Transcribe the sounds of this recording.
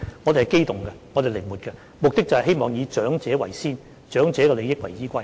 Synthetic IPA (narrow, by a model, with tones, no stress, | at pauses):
ŋɔː˨˧e˨˩hɐ˨˩jke˥jt̪ʊ˨˩ŋkɛ˧ŋɔ˨˧t̪e˨jle˨˩muː˨t̚kɛ˧ | mʊ˨k̚t̪ɪ˥k̚t͡sɐ˨hɐ˨jɦe˥jmɔː˨˩ŋjiː˨˧t͡ʃœː˨˥ŋt͡sɛː˨˥wɐ˨˩jsiː˥n | t͡ʃœː˨˥ŋt͡sɛː˨˥kɔ˧le˨˧jɪ˥k̚wɐ˨˩jt͡siː˨˥kʷɐ˥j